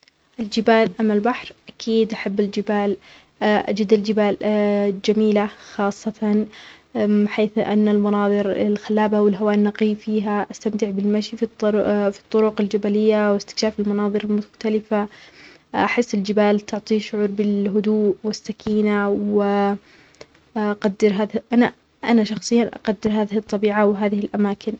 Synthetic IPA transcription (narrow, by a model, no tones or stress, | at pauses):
ʔɪld͡ʒɪbaːlʔamːalbaħɾʔakʰiːd̪ʔaħabːɪld͡ʒɪbaːl | ʔa̰d͡ʒad̪ald͡ʒɪbaːld͡ʒamiːlaxɑːsˤːɑt̪ɑn | ħeːθʔa̰nːalmɑnɑːðˤɨɾɪlxalːaːbawɪlɦawaːnːɑqiːfiːɦaʔast̪amt̪ɪʕbɪlmaʃiffi̥t̪ˤːʊɾʊqɪld͡ʒabalɪjːawɪst̪ɪ̥kʃaːfɪlmɑnɑːðˤɨɾɪlmʊxt̪alɪfa | ʔaħɪsːɪld͡ʒɪbaːlt̪ʊʕt̪ˤiʃʊʕuːɾbɪlɦʊd̪uːʔwɪsːakʰiːnawɪ | ʔaqad̪ːɪɾɦaːðʔana | ʔa̰naʃɑxsˤɨjːanʔɑ̰qad̪ːɪɾɦaːðɪhɨt̪ˤːɑbiːʕawɪɦaːðɪhɪlʔamaːkʰɪn